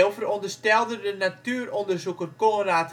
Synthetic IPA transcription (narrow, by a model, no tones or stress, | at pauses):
ɪlˠfərɔndərstɛlˠdədənatyərɔndərzukərkoraːt